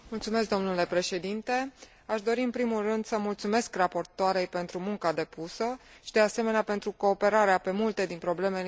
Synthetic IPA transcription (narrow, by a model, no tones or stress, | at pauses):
mult̪sume̞s̬k̚d̪o̞mnule̞pɾe̞ʃe̞d̪int̪e̞ | aʃd̪o̞ɾiɨnpɾimulrɨnd̪səmult̪sume̞skrapo̞rt̪oaɾe̞jpe̞nt̪ɾumuŋkad̪e̞pusəʃid̪e̞ase̞me̞neape̞nt̪ɾuko̞ːpe̞ɾaɾeape̞mult̪e̞d̪inpɾo̞ble̞me̞l